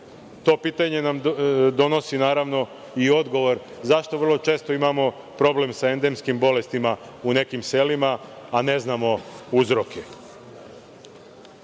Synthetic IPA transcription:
t̪o̞ːpiːt̪aɲe̞namd̪o̞no̞sinaːɾaʋno̞ | io̞d̪ɡo̞ʋo̞ɾzaʃt̪oʋər̩lˠo̞t͡ʃe̞ːst̪oimamo̞ | pɾo̞ble̞msae̞nd̪e̞mskimbo̞le̞st̪ima | une̞kimse̞limaːne̞znamo̞uzɾo̞kʰe

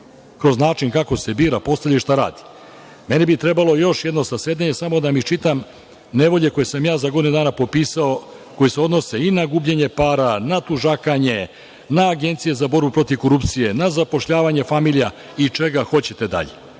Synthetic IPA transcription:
kɾo̞znaːt͡ʃinkako̞se̞biːɾapo̞st̪aʎaiʃt̪aɾa̰ːd̪i̥ | me̞nibit̪ɾe̞balˠo̞jo̞ʃje̞d̪no̞saseːd̪eɲe̞samo̞d̪amit͡ʃit̪am | ne̞ʋo̞ʎe̞ko̞jesamjaːzaɡo̞d̪inud̪aːnapo̞piːsao | ko̞jise̞o̞d̪no̞se̞inaɡuːbʎeɲe̞paːɾanat̪uʒakaɲe̞ | naːɡe̞nt̪sije̞zabo̞ɾbupɾo̞t̪iʋko̞ɾupt̪sije̞nazapo̞ʃʎaːʋaɲe̞famiʎija | it͡ʃe̞ɡaxo̞t͡ɕe̞t̪e̞d̪a̰ʎe

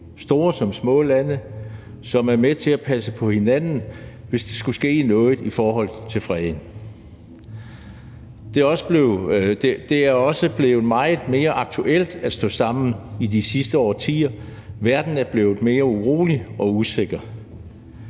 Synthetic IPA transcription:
sd̥o̝ːɐsɒ̽msmɔ̰̽ːlænə | sɒ̽mæɐmet͡sʰe̝æpʰæsəpʰɒ̽he̝nænn̩ʋe̝sd̥e̝sɡ̥usɡ̥e̝̰ːnɔ̽ːð̩ˠifɒːhɒ̽l̰t͡sʰe̝lfʁɛðˠn̩ | d̥e̝ɒ̽səb̥leʊd̥ed̥e̝æɐɒ̽səb̥le̝ːʊmɑ̈ɪð̩ˠme̝ːɐʔɑ̈ɡ̥̚t͡sʰuʔel̰d̥æsd̥ɔ̰̽ːsɑ̈m̰n̩id̥isisd̥əɒ̰ːt͡sʰḭːɐʋæɐd̥n̩æɐb̥le̝ːʊð̩ˠme̝ːɐuʁo̝̰ːliʔɒ̽use̝ɡ̥ɐ

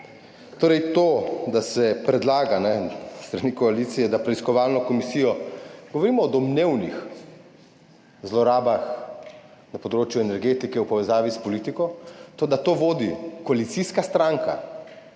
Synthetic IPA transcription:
t̪oːɾɛjt̪oːd̪asɛpɾɛd̪laːɡanɛst̪ɾanikɔalit̪sijɛd̪apɾɛiskɔʋalnɔkɔmisijɔɡɔʋɔɾiːmɔːd̪ɔmneːwnḭx | zlɔɾaːbax | napɔd̪ɾoːt͡ʃjuɛnɛɾɡeːt̪ikɛwpɔʋɛzaːʋispɔliːt̪ikɔt̪od̪at̪oːʋoːd̪ikɔalit̪siskast̪ɾaŋka̰

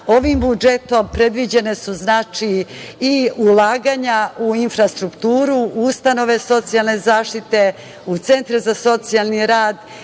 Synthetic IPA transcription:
o̞ʋimbud͡ʒet̪o̞mpɾe̞d̪ʋid͡ʑe̞ne̞suznaːt͡ʂiː | ulˠaːɡaɲauinfɾast̪ɾukt̪uːɾuust̪ano̞ʋe̞so̞t̪sijalˠne̞zaːʂt̪it̪e̞ | ut̪se̞nt̪ɾezaso̞t̪sijalˠniɾaːd̪

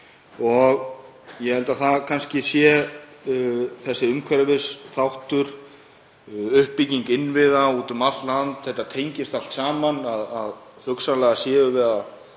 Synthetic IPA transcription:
ɔɣ | jɛhɛlt̪aθakʰanscɪsjɛ | θɛsːɪʏmkʰvɛɾvɪsθawht̪ʏɾ̥ | ʏhpːiciŋkɪnvɪðauːt̪ʏmaft̪lant̪θɛht̪ːat̪ʰejɲcɪst̪al̥t̪saːmanaðað | hʏksanlɛɣasjɛːɣʏvɛːɾða

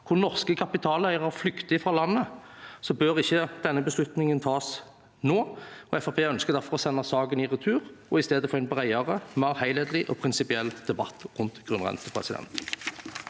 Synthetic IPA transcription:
kʰʊʁnɔʁskəkʰɑpɪt̪ʰɑːlæɪʁɑʁflʏkt̪ɪfʁɑːlɑnːəsɔbøːʁɪçːəd̪̥ɛnːəbəslʉt̪nɪŋənt̪ʰɑːs | noːɔɛfɑpʰeːœnskəʁd̪æʁfɔʁɔsɛnːɑsɑːɡənɪʁʉt̪ʰʉːʁɔɪst̪eːd̪əfɔʁɛɪnbʁæɪɑʁəmæʁhæɪlɛːd̪l̩ɪʔɔpʰʁɪnsɪpɪɛlːd̪̥ɛbɑ̰t̪ːʁʉnt̪ɡ̥ʁʉnʁɛ̰nsəpʰʁɛ̰sɪd̪ɛ̰nt̪

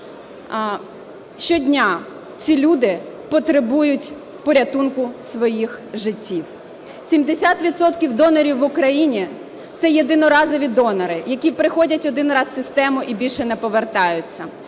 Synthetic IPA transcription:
ʃt͡ʃɔdʲnʲa | t͡sʲilʲud̪ɪ | pɔt̪ɾebujʊtʲ | pɔɾʲɐt̪unkʊsʋɔjixʒɪtʲːiw | sʲimd̪esʲat̪ʋʲit̪sɔt̪kʲiwd̪ɔnɔɾʲiwːʊkɾɐjinʲi | t̪sɛjed̪ɪnɔɾɑzɔʋʲid̪ɔnɐɾɪjɐkʲipɾɪxɔdʲɐtʲɔd̪ɪnrɑzsɪst̪ɛmʊʔibʲilʲʃɛnɛpɔʋert̪ɑjʊt͡sʲːɐ

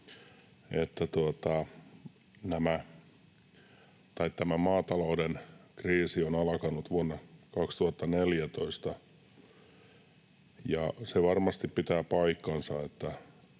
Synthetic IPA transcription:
et̪ːæt̪uot̪ɑ | næmæ | t̪ɑit̪t̪æmæmɑːt̪ɑloudenkriːsionɑlkɑnut̪ʋuonːɑkɑkst̪uhɑt̪ːɑneljæt̪oist̪ɑ | jɑseʋɑrmɑst̪ippit̪æːpɑikːɑnsɑet̪ːæ

